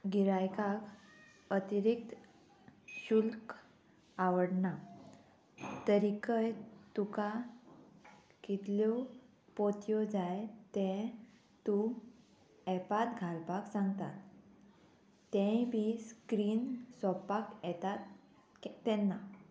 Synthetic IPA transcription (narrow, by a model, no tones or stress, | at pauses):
ɡiɾajkak | ət̪iɾik̚t̪ | ɕulk | awəɽna | t̪əɾikəjt̪uka | kit̪lɔ | pot̪jɔd͡zajt̪ɛ̃ | t̪ũ | ɛpat̪ɡʱalpaksãŋɡt̪at̪ | ɛ̃bʱiskɾiːnsɔpakɛt̪at̪ | k̪ːɛnːa